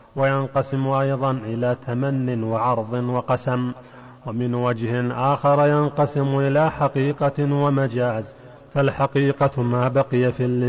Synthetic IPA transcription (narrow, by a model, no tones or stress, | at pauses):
wajanqɑsɪmʔajðˤɑnʔɪlaːt̪ʰamanːɪnwɑʕɑɾˤðˤɨnwɑqɑsam | wamɪnwad͡ʒhɪnʔaːxɑɾˤjanqɑsɪmʊʔɪlaːħaqiːqɑwamad͡ʒaːz | falħaqiːqɑmaːbaqɨjafilːɪ